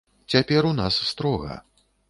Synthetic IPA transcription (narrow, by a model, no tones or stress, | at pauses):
t͡sʲapʲɛɾunasːt̪ɾɔɣɐ̰